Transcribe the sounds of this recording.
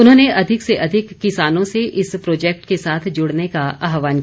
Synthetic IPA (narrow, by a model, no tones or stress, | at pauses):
ʊnɦõːneʔɐd̪ʱɪkseʔɐd̪ʱɪkːɪsaːnõseʔɪspɾoːd͡ʒɛːk̚ʈkesaːt̪ʰd͡ʒʊɽnekaaːɦʋaːnk